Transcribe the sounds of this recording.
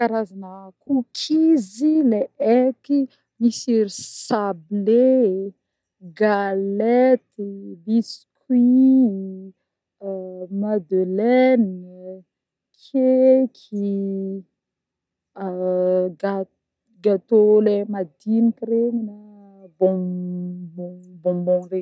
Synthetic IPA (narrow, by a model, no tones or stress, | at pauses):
kaɾazanəkukʰizileeki | misiɾisable | ɡalɛt̪ibiskwi | mad̪ølɛn | kʰekʰi | ɡa | ɡat̪olemad̪inikiɾeɲina | bɔ̃ | bɔ̃bɔ̃bɔ̃ɾe